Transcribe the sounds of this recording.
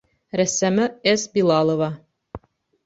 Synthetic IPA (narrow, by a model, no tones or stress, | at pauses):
ɾæsæmɘesbilˠɑlˠŏvɑ